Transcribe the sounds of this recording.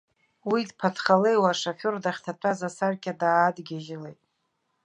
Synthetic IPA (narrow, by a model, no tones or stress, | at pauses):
widpʰatʰχale̞jwaʂafordaχʲtʰatʷʰazasarkʲʰʼadaːdɡʲaʒɪlejtʼ